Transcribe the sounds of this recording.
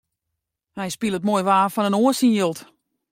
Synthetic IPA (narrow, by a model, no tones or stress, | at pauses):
hɛjspilˠət̚mojʋaːfɔnənoəsinjølˠt